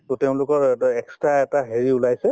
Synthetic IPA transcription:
tɔteʊ̃lʊkɔɹɛkstɹaɛtaɦeɹiulajsɛ

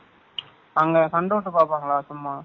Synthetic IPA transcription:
ɐŋɡɐkɐɳɖɯɐʈːɯpaːɾpaːŋɡɐɭaːsʊmːaː

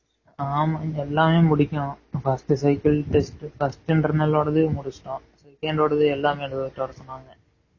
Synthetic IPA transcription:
aːmaɛlːaːmeːmʊɽɪkʲːʊ̃fɐsʈɯsɐɪkɐlʈɛsʈfɐsʈɪɳʈɐɾnɐlːoːɽɐðɯmʊɽʊsʈːõ | sɛkːɐɳɖoːɽɐðɯɛlːaːmeːɽɯɐʈːɐːɾɐsɔnːaːŋɡɐ

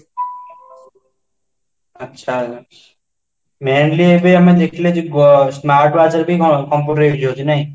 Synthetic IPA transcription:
ɐtːʃʰa | meːnliebʱiɐmẽd̪ekʰled͡ʒiɡsmaːɾʈʋaːsəɾbʱikɔmpuʈɾed͡ʒoinɐĩ

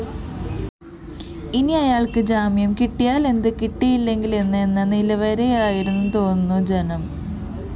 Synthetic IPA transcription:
iniɐjaːɭkɨd͡ʑaːmjɐmkiʈːijaːle̞nd̪ɨkiʈːijilːe̞ŋɡile̞nːɨenːɐnilɐʋɐɾejaːjiɾunːut̪o̞ːnnːud͡ʑe̞nɐm

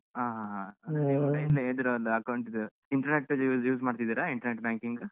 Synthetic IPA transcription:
ɦaːɦaɦaeʋɐɐilːɐeːd̪iɾɐɐlːɐɐkɐwuɳʈid̪u | iɳʈɐɾneʈːjuːd͡ʒjuːd͡ʒmaːɽt̪id̪iːɾaiɳʈɐɾneʈ̚baːŋkiŋɡ

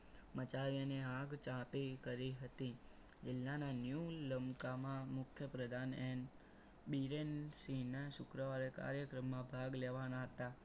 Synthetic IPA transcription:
mət͡ʃaʋjaneãɡt͡ʃãpikəɾiɦət̪i | d͡ʒɪlːananjuləmkamãmʊkʰjəpɾəd̪ʱanen | biɾensinaʃʊkɾəʋaɾeka̰ɾjəkɾəmːãbʱaɡleʋanaɦət̪a

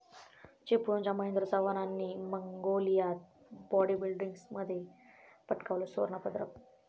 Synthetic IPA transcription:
t͡ɕepuɾoɲt͡ɕaməɦẽnd̪ɾəsəʋənanːiːməŋɡolijat̪̚ | bɔɽibilɖiŋɡsməd̪ʱːjepəʈkaʋləso̰ɾɳapəd̪ɾə

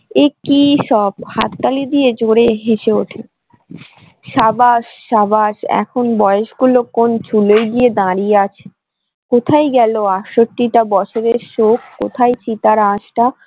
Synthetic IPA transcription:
ekiʃɔb̚ha̰t̪kalid̪ijed͡ʑʱoɽeɦeʃeoʈʰe | ʃabaʃːabaʃɛ̰kʰonbɔeeʃɡulokont͡ɕʰulojɡied̪ãɾijeat͡ɕʰe̥ | kot̪ʰajɡɛloaʈʃoʈːiʈabɔt͡ɕʰoɾeɾʃokːo̰t̪ʰajt͡ɕit̪aɾãʃʈa

